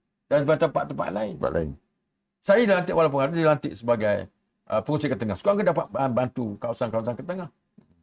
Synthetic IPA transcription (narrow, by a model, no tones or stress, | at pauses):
danbat̪əmpa̰ʔt̪əmpa̰ʔlaɪna̰ʔla̰ɪ̰n | sajadilant̪ɪʔwʔalap̬uŋhaɾudilant̪ɪʔsəbaɡaj | əpəuŋsikət̪əŋaskuaŋkədapaʔ̪̚banbant̪ukawsankawsankət̪əŋah